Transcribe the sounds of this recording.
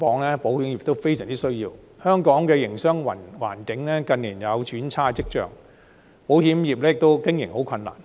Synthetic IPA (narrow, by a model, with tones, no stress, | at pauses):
kɔː˨˥ŋlɛː˥po˨˥whiː˨˥mji˨p̚t̪o˥wfe˥jsœː˨˩ŋt͡siː˥sɵ˥ɥjiː˧w | hœː˥ŋkɔː˨˥ŋkɛː˧jɪ˨˩ŋsœː˥ŋwɐ˨˩nwa̰ː˨˩nkɪ˨˥ŋlɛː˥kɐ˧nliː˨˩njɐ˨˧wt͡ʃyː˨˥nt͡sʰaː˥t͡sɪ˥k̚t͡ʃœ̰ː˨ŋ | po˨˥whiː˨˥mjiː˨p̚lɛː˥jɪ˨k̚t̪o˥wkɪ˥ŋjɪ˨˩ŋho˨˥wkʰɐ˧nːa̰ː˨˩n